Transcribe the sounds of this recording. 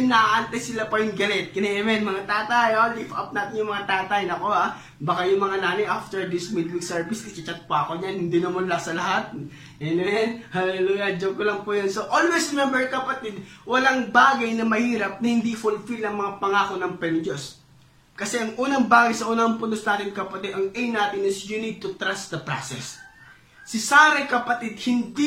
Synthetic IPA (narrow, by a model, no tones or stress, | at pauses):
nːɐʔaʔant̪ɐjsɪlapɐjʊŋɡɐlɛt̪̚kɪnɛʔɛmɛnmɐŋat̪aːt̪ajolifɐ̰p̚naːt̪ɪŋjʊŋmɐŋat̪aːt̪ɐjɪnɐko̞a | bɐkajʊŋmɐŋanaːnɐjʔaft̪ɛɹd̪ɪsmid̪wiksɛɹvisɪt͡ʃɐt͡ʃɐt̪̚paɐkoɲanhɪnd̪inɐmʊlasɐlɐɦat̪̚ | ɛnɛwɛnhalɛluːjɐd͡ʒoɡ̚kolɐŋpujonsoʔolwesɪmɛmbɛɹkɐpɐt̪ɛd̪̚wɐlaŋbaːɡɐjnɐmɐhiːɾɐp̚nɐhɪnd̪ifʊlfilnɐŋmɐŋapɐŋaːkonɐŋpɛnɪd͡ʒos | kɐsɛʔɐŋʔuːnɐŋbaːɡɐjsɐʔuːnɐɐmpʊnd̪osnaːt̪ɪŋkɐpɐt̪id̪ɐŋʔejnaːt̪ɪnɪsjunid̪̚t̪ʊt̪ɾasd̪ɐpɾa̰sɛ̰sː | ɪsaːɾɐjkɐpɐt̪id̪̚hɪnd̪i